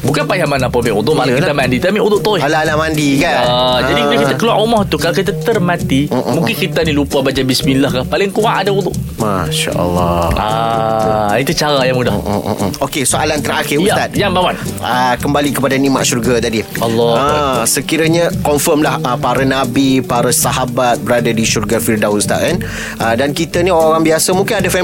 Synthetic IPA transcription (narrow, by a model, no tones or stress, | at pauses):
bukanpajahmanãpamɪʔut̪ʊʔmalakit̪amandit̪amiʔũd̪ʊʔt̪oilalahmandikaəd͡ʒadikakit̪akəluwa̰ʔomɔht̪ukalokit̪at̪ərmãt̪imũŋkɪnkit̪anilupabad͡ʒabismilahkapalɪŋkuaʔadaund̪ʊʔmaʃa̰ʔə̰lːɔa | it̪ut͡ʃaɾajamudahokesoʔalant̪əɾaxɪuat̪at̪̚jaŋbawan | əkəmbalikəpadanima̰ʔʃurɡat̪adiɔlːɔəsəkiɾəɲəkɔnfəmlahəpaɾənabipaɾəsaɦabat̪̚bəɾadadiʃurɡafirdawunst̪a̰ʔən | ədankit̪anioɾaŋoɾaŋbiasamũŋkɪnadafɛ